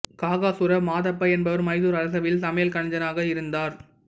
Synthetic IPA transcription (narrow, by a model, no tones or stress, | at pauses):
kaːɣaːsʊɾɐʋmaːðɐpːɐɛnbɐʋɐɾmɐɪðuːɾɐɾɐs̬ɐʋɪlsɐmɐjɐlkɐɳɐɲd͡ʒɐnaːɣɐɪɾɯnd̪aːɾ